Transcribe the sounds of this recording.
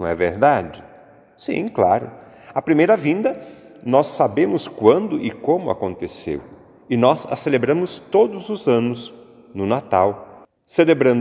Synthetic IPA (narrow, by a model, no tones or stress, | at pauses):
nɐ̃w̃ɛ̰veɾd̪ad͡ʒɪ | sḭ̃kla̰ɾʊ̰ | ɐpɾimejɾɐvĩnd̪ɐ | nɔsːabẽmʊskwɐ̃nd̪ʊʔɪkõmʊa̰kõnt̪esḛw | ɪnɔza̰selebɾɐ̃mʊst̪od̪ʊzʊzɐ̃nʊs | nʊnat̪aw | selebɾɐ̃n